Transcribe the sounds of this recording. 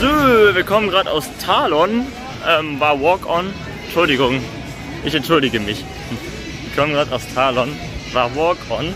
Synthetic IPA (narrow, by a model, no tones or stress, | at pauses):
zoːviːɐkʰɔmənɡʁaːta̰ʊstʰaːlɔn | ʔɛːmvaːvɔːkɔn | ɛnʃʊldɪɡʊŋ | ʔɪçɛntʃʊldɪɡəmɪç | vviːɐkʰɔmənɡʁaːtaʊst͡sʰaːlɔn | vaːɐvɔːkɔn